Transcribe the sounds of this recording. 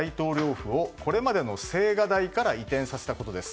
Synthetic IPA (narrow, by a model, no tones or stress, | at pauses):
it̪o̞ːɾʲjo̞ːɸɯ̟o̞ko̞ɾe̞mad̪e̞no̞se̞ːɡad̪aikaɾait̪ẽɰ̃sase̞t̪ako̞t̪o̞d̪e̞sɨ̥